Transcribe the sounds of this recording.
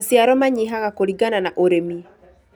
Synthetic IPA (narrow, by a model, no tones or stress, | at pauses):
sjaɾɔmaɲiɦaɣakoɾiɡananaʔoɾemi